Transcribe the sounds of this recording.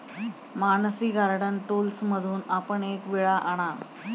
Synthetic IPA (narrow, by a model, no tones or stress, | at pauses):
manəsiɡʱaɾɽənʈulsməd̪ʱuːnapəɳekʋiɭaʔaɽ̃a